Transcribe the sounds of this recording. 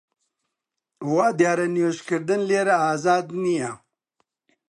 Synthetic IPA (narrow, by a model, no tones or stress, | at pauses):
waːd̪jaːɾɐnjoɕkeɾd̪ɐnleːɾaːzaːd̪nija